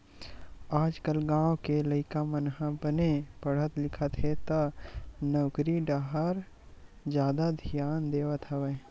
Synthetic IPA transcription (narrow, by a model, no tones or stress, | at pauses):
aːd͡ʒkəlɡãːwkeləɪkamənɦãbənepəɽ̤ət̪lɪkʰət̪ɦet̪ɐnɔːkɾiɖaːɦəɾ | d͡ʒjaːd̪ad̪ʱijaːnd̪eːwət̪ɦɐʋe